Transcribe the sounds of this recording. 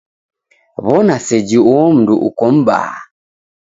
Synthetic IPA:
βɔnasɛd͡ʒiwɔm̩duʔukɔm̩ba̰a

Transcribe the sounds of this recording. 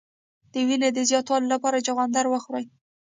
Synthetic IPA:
d̪̥əwined̪əzjɑt̪wɑlolapɑɾad͡ʒaɣɑnd̪aɾwəxɾaj

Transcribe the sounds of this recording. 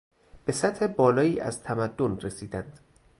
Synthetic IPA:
b̥e̞sæt̪he̞bɒːlɒːiːʔæ̰zt̪ʰæmæd̪ːonre̞siːd̪ænd̪̥

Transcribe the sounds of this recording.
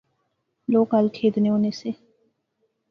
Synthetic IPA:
loːkəlkʰeːd̪neːoːneːseː

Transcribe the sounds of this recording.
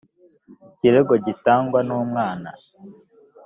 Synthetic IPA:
ciɾeɡo̞ɟitaːŋɡwanuːmŋaːna̰

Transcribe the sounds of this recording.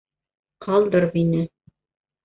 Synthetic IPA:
qʰɑlˠd̪ɤɾβinɘ

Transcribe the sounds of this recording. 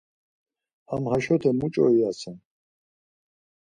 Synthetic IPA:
amhaʃɔt̪ʰɛmut͡ʃʼɔ̰iasan

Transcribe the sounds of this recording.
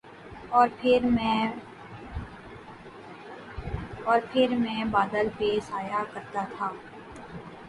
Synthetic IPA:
ɔːɾpʰɪɾmɛ̃ | ɔːɾpʰɪɾmɛ̃ːbaːd̪əlpesaːjakəɾt̪at̪ʰaː

